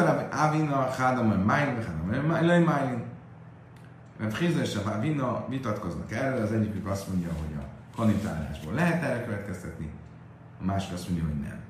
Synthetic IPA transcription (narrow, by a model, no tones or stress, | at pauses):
avinɒχad̪ɒmojmajinvɛχad̪ɔmlojmajin | rɛbχizoʃabavinɒvit̪ɒt̪ko̞znɒkɛrøːlɒzɛɟːiklyɡɒst̪mo̞ɲɟɒɦo̞ɟɒ̰ | konit̪a̰ːla̰ːʒbo̰ːlɛɦɛt̪ɛɾɛkøvɛt̪kɛst̪ɛt̪nḭ | ɒmaːʃi̥kɒst̪mo̞ɲɟɒɦoɟnɛ̰m